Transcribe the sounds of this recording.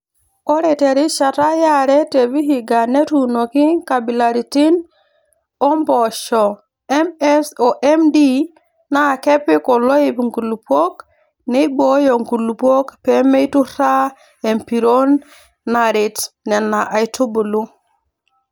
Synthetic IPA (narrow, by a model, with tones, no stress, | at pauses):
o˦ɾe˨te˨ɾi˦ʃa˨ta˦ja˦ɾe˦te˨βi˦hi˨ɡa˨ne˦tuno˨ki˦ka˨bi˨la˨ɾi˨ti˦n | o˦mbo˨ʃo˨ | e˦mesoʔemdi˦ | na˦ke˦pi˦ko˨lo˦i˦pŋɡu˨lu˨po˦k | ne˦bo˦jo˨ŋku˨lu˨po˦kpe˦me˦jtu˦ɾa˦ | e˨mpi˨ɾo˦nː | a˨ɾi˨tne˨nːa˨ʔa˨jtʰu˦bu˨lu˦